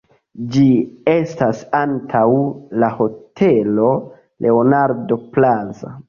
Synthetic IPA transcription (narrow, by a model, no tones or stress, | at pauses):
d͡ʒie̞stasantʰawlaho̞tʰe̞lo̞ | lʔe̞onaɾdo̞plaza